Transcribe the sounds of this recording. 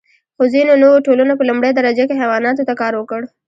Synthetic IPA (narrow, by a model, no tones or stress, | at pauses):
xozinonowoʈolunapəlʊmbɽejd̪aɾad͡ʒekeɦɛwɑnɑt̪ot̪akɑɾwəkəɽ